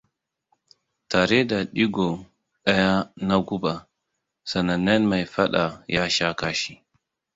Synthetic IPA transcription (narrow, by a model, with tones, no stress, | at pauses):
ta˨ɾɛ˦da˨ɗi˦ɡɔ˨ | ɗa˦ja˦na˦ɡu˦ba˨ | sa˨na˨nɛ˦nma˨jfa˦ɗa˨ja˦ʃa˦ka˦ʃi˨